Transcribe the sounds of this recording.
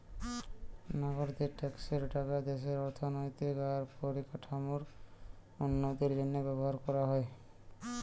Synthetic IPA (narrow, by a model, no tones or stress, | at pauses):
naɡoɾd̪eʈekseɾɖakad̪eʃeɾɔɾt̪ʰonojt̪ikaɾpoɾikaʈʰamoɾ | onːod̪iɾenebɛβoɦaɾkɔɾaɦɔe